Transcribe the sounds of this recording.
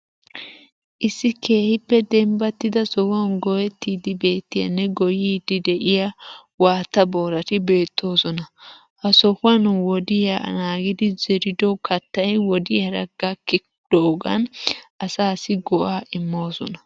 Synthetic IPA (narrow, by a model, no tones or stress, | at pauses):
ʔɪsːɪke̞ːhɪpːɛd̪ɛmbɐt̪ːɪd̪ɐsɔwɐnɡɔjɛt̪ːiːd̪ɪbe̞ːt̪ːɪjɐ̰nːɛɡɔjiːd̪ɪd̪ɛʔɪjɐ | waːt̪ːɐbo̞ːɾɐt̪ɪbe̞ːt̪ːo̞ːsɔnɐ | hɐsɔhʊɐnwɔd̪ɪjanaːɡɪd̪ɪzɛɾɪd̪ɔkʰɐt̪ːɐjwɔd̪ɪjɐɾɐ̰ɡakːɪ | d̪̥oːɡɐ̰nɐsaːsɪɡɔʔaːʔɪmːo̞ːsɔ̰nɐ